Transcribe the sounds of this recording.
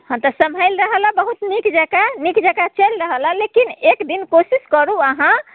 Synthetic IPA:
hə̃t̪əsəmʱəjlɾəɦəlabəɦut̪nikd͡ʒakanikd͡ʒakat͡ʃəlɾəɦəlalekinekd̪inkosiskəɾuəɦã

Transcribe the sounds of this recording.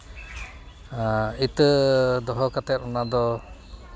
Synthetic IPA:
it̪əd̪ɔɦɔkat̪ɛt̪̚ɔnad̪ɔ

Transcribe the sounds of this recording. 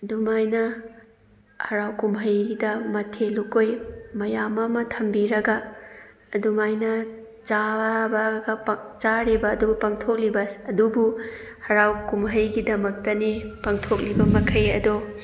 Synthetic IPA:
ɐdumajnɐ | hɐɾawkumɦɐjɡidɐmɐtʰelukojmɐjamɐmɐtʰɐmbiɾɐɡɐː | dumajnɐ | t͡ʃabɐɡɐpt͡ʃaɾibɐːdubupɐŋtʰok̚libɐsɐdubuhɐɾawkumɦɐjɡidɐmɐk̚tɐnipɐŋtʰok̚libɐmɐkʰɐjɐdo

